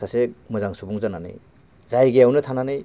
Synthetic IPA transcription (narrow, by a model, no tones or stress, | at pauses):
asemɯzaŋsubuŋzananɯ̰j | zajɡejawnɯtʰananɯj